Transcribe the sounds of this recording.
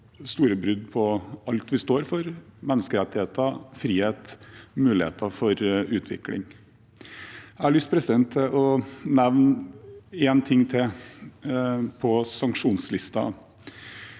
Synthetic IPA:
st̪uːɾəbɾʉd̪pʰɔɑlt̪ʋɪst̪oːɾfɔɾmɛnːəskəɾɛt̪ːɪheːt̪əfɾiːheːt̪mʉːlɪhḛːt̪ɑfɔɾʉːt̪ʰʋɪ̰klɪ̰ŋ | ææɭʏːst̪̚pʰɾɛsɪd̪ɛnt̪ʰɛʔɔnɛʋn | eːnt̪ʰɪŋːt̪ʰɪ | pʰɔsɑŋkʂuːnslɪst̪ɑ̰

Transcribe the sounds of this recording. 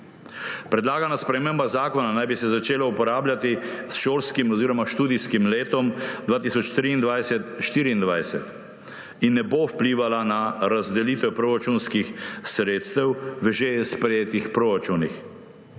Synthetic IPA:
pɾɛd̪laːɡanaspɾɛmeːmbazaːkɔnanajbisɛzat͡ʃeːlaupɔɾaːblʲjat̪isʃoːɾskimɔziːɾɔmaʃt̪uːd̪iskimleːt̪ɔmd̪ʋaːt̪isɔt͡ʃt̪ɾiːnd̪ʋajsɛt̪ʃt̪iːɾiːnd̪ʋajsɛt̪ | inːɛbowpliːʋalanaɾazd̪ɛliːt̪ɛpɾoːɾat͡ʃunskixsɾeːt̪st̪ɛwʋəʒespɾɛjeːt̪ixpɾoːɾat͡ʃunix

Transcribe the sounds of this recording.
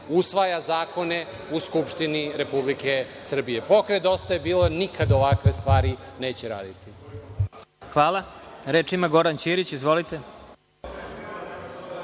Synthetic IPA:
usʋajazaːko̞ne | uskupʃt̪iniɾe̞publikesr̩bijepo̞kɾed̪o̞st̪ajebiːlonikʰad̪oʋakʋe̞st̪ʋaːɾineːt͡ɕeɾa̰ːd̪it̪i | xʋaːlˠaɾeːt͡ʃiimaɡo̞ɾant͡ɕiɾit͡ɕizʋo̞lit̪e̞

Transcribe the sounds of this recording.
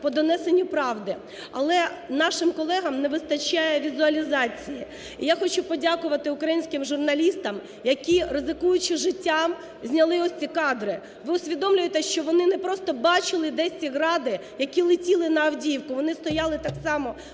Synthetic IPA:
pɔd̪ɔnɛsenʲːʊpɾɑwd̪ɪ | ɐ̰lˠɛnɑʃɪmkɔlˠɛɦɐmnɛʋɪst̪ɐt͡ʃajɛʋʲizʊɐlʲizɑt͡sʲiji | ijaxɔt͡ʃupɔdʲakʊʋɐt̪ɪʊkɾɐjinʲsʲkɪmʒʊrnɐlʲist̪ɐm | jɐkʲirɪzɪkujʊt͡ʃɪʒɪtʲːam | zʲnʲɐlˠɪɔsʲt͡sʲikɑd̪ɾɪ | ʋɪʊsʲʋʲid̪ɔmlʲʊjet̪ɛʃt͡ʃɔʋɔnɪnɛpɾɔst̪ɔbɑt͡ʃɪlˠɪd̪ɛsʲtʲiɦɾɑd̪ɪ | jɐkʲilˠɪtʲilˠɪnɐɐwdʲiwkʊʋɔnɪst̪ɔjɑlˠɪt̪ɑksɑmɔ

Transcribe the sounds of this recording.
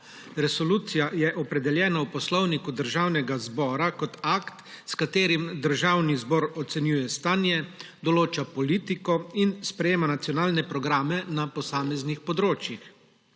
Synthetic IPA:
ɾɛsɔluːt̪sijajɛʔɔpɾɛd̪ɛljɛːnawpɔslɔwnikud̪əɾʒawnɛɡazbɔːɾakɔt̪akt̪ | skat̪eːɾimd̪əɾʒawnizbɔːɾɔt̪sɛnjuːjɛst̪aːnjɛ | d̪ɔloːt͡ʃapɔliːt̪ikɔinspɾɛjeːmanat̪sjɔnaːlnɛpɾɔɡɾaːmɛnapɔsaːmɛznixpɔd̪ɾoːt͡ʃjix

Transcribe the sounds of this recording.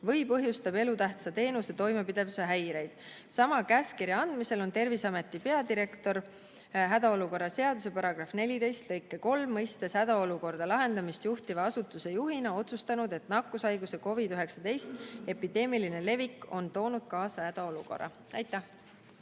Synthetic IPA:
vɤ̞jpɤ̞ɦjust̪ɑbe̞lut̪æht̪sɑt̪e̞ːnuset̪o̞jmepid̪e̞vseɦæjɾe̞jd̪̥ | sɑmɑkæːskiɾjɑɑnd̪̥mise̞lo̞nt̪e̞rvisɑme̞t̪ːˑipe̞ɑd̪iɾe̞kt̪o̞ɾ | ɦæd̪ɑo̞luko̞rːɑse̞ɑd̪̥use̞pɑɾɑɡ̥rɑfne̞lid̪e̞jst̪lɤjkːˑeko̞lmːɤjst̪e̞sæd̪̥ɑo̞luko̞rd̪̥ɑlɑɦe̞nd̪̥ɑmist̪juht̪ivɑɑsut̪ːˑuse̞juɦinɑo̞t̪sust̪ɑnud̪e̞t̪ˑnɑkːˑusɑjɡuse̞ko̞vid̪yɦe̞ksɑt̪e̞jst̪e̞pid̪̥e̞ːmiline̞le̞vikːˑo̞nt̪o̞ːnud̪̥̚kɑːsɑhæd̪̥ɑo̞luko̞̰rːɑ̰ | æjt̪ˑːæh

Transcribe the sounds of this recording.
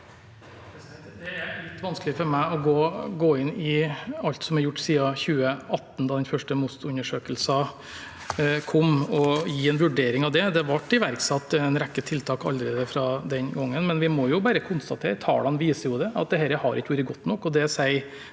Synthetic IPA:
d̪ɛlɪt̪ːʋɑnskəlɪfɔɾmæɪɔɡoːɡoːɪnːɪɑlt̪sɔmæɾjʊʈːsiːɑçʉːəɑt̪ːn̩d̪ɑːd̪ɛnfœʂʈəmʊst̪ʉnːəʂøːkəlsɑ | kʰɔmɔjiːɛnʋʉɖeːɾɪŋɑʋd̪ɛd̪ɛʋɑʈːɪʋæɾksɑt̪ːnɾɛkːət̪ʰɪlt̪ʰɑːkɑ̰ld̪ɾeːd̪əfɾɑd̪ɛnɡɔŋːənmɛnʋɪmɔjʊbæːɾəkʰʊnst̪ɑt̪ʰḛːɾt̪ʰɑ̰ːlɑnʋiːsəɾjʊd̪ɛɑ̰t̪̚d̪ɛɦɛɾəhɑ̰ɾɪ̰kːəʋuːɾəɡɔt̪ːnɔkːɔd̪ɛsæɪ

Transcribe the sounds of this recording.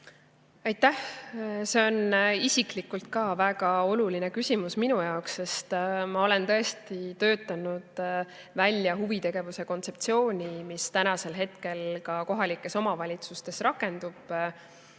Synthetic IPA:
ɑjt̪ːæhse̞o̞nisiklikult̪̚kɑːvæɡ̥ɑo̞luline̞kysʲimusminujɑoksːe̞st̪mɑo̞le̞nt̪ɤ̞e̞st̪it̪ø̞ːt̪ːˑɑnud̪̥ | vælʲjɑɦuvit̪e̞ɡ̥e̞vuse̞ko̞nt̪se̞p̚t̪sio̞ːnʲimist̪ænɑse̞lɦe̞t̪ke̞lkɑko̞ɦɑlikːˑe̞so̞mɑvɑlʲit̪sust̪e̞srɑkːˑe̞nd̪̥ub̥

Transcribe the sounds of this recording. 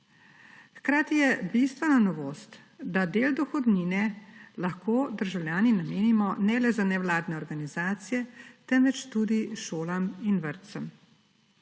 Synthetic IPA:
xkɾaːt̪ijɛbist̪ʋɛnanɔʋoːst̪ | d̪ad̪eːld̪ɔxɔd̪niːnɛlaxkoːd̪əɾʒawljaːninameːnimɔnɛlɛzanɛwlaːd̪nɛɔɾɡanizaːt̪sijɛt̪ɛnʋɛt͡ʃt̪uːd̪iʃoːlaminʋəɾt̪səm

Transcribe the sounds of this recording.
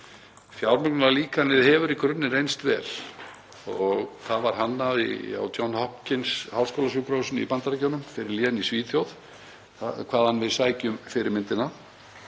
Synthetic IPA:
fjawɾmʏknʏnaliːkanɪðhɛvʏɾikʰɾʏnːɪrejnst̪vɛ̰ːl | ɔɣkʰaðvaɾ̥ɦanːaḭa̰wt̪jɔnhɔhpcɪnshawlskowlasʏpɾowsʏnḭpant̪aɾacownʏmfɪɾɪɾlinisviːθjowð | kʰv̥aːðhanvɪðsaːjcʏmfɪɾɪɾmɪnt̪ɪna

